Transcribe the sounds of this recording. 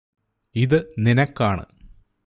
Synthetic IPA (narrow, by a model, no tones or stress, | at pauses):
iðɨninɐkːaːɳɨ̰